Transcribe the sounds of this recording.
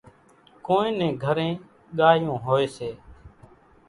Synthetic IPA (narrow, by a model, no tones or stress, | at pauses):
koːẽːnẽːɡʱəɾẽː | ɠaːjõːɦoːeːseː